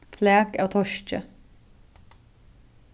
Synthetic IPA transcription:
flæːkɑːt̪ʰɔʃt͡ʃə

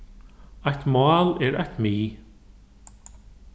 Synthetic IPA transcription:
ajht̪maːlɛɾa̰ht̪miː

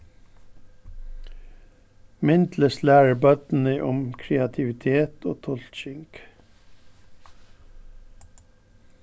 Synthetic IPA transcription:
mɪnd̪ləslæːɹəbœt̪n̩əʔʊmkʰɾɛɑt̪ʰɪʋɪt̪ʰeːt̪o̰ːt̪ʰɔlʃɪŋɡ̥

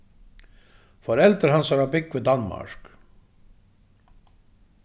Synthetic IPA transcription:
fɔɾɛld̪əɾhɑnsɔɾɑbɪkːʋɪd̪ɑnmɑ̰ɹk

